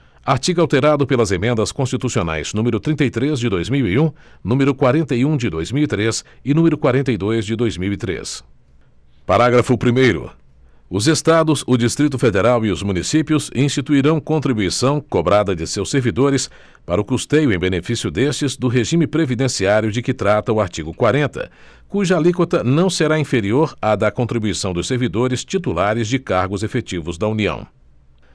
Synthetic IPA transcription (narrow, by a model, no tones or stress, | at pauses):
aɾt͡ʃiɡawt̪eɾad̪ʊpelɐzemẽnd̪ɐskõst͡ʃit̪usiona̰jz̥nũmeɾʊt̪ɾĩnt̪ɐjt̪ɾezd͡ʒɪd̪ojzmiwiũnũmeɾʊkwaɾẽnt̪ɐjũd͡ʒɪd̪ojzmiwit̪ɾesɪnũmeɾʊkwaɾẽnt̪ɐjd̪ojzd͡ʒɪd̪ojzmiwit̪ɾḛs | paɾaɡɾɐfʊpɾimejɾʊ̰ | ʊzest̪ad̪ʊzʊd͡ʒist̪ɾit̪ʊfed̪eɾawiʊzmũnisipjʊzĩst͡ʃit̪uiɾɐ̃w̃kõnt̪ɾibuisɐ̃w̃kobɾad̪ɐd͡ʒɪsewsːeɾvid̪oɾɪs | paɾɐʊkust̪ejʊẽj̃benefisiʊd̪est͡ʃɪzd̪ʊɦeʒĩmɪpɾevid̪ẽsiaɾjʊd͡ʒɪkɪt̪ɾat̪ɐʊaɾt͡ʃiɡʊkwaɾẽnt̪ɐ̰ | kuʒɐalikot̪ɐnɐ̃w̃seɾaĩfeɾioɾad̪ɐkõnt̪ɾibuisɐ̃w̃d̪ʊseɾvid̪oɾɪst͡ʃit̪ulaɾɪzd͡ʒɪkaɾɡʊzefet͡ʃivʊzd̪ɐuniɐ̰̃w̃